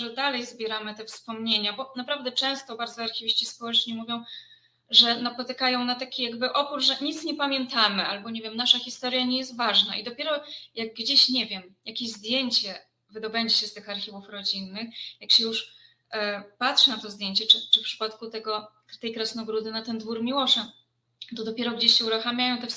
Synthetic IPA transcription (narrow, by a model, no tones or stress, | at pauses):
ʐɛd̪alɛjzbʲjɛɾamɘt̪ɛfspɔmɲeɲabɔnapɾavd̪ɛt͡ʂɛ̃w̃st̪ɔbaɾd̪zɔaɾxʲivʲiɕt͡ɕispɔwɛt͡ʂɲimuvʲjɔ̃w̃ | ʐɛnapɔt̪ɘkajɔ̃w̃nat̪akʲijaɡbɘʔɔpɾuʐʐɛɲit̪sɲɛpamʲjɛnt̪amɘʔalbɔɲevʲjɛmnaʂaxʲist̪ɔɾjaɲɛjɛst̪vaʐna̰ʔḭd̪ɔpʲjeɾɔjaɡ̚ːd͡ʑeɕɲevʲjɛmjakʲeʑzd̪ʲjeɲt͡ɕɛ | vɘd̪ɔbɛɲd͡ʑɛɕɛst̪ɘxaɾxʲivufɾɔd͡ʑinːɘxjakɕɛjuʂ | pat̪ʂɨnat̪ɔzd̪jeɲt͡ɕɛt͡ʂɘt͡ʂɘfpʂɘ̥pat̪kut̪ɛɡɔ | t̪ɛjkɾɛsnɔɡɾud̪ɘnat̪ɛnd̪vuɾmʲiwɔʂa | t̪ɔd̪ɔpʲjɛɾɔɡd͡ʑeɕɕɛuɾuxamʲjajɔ̃w̃t̪ɛf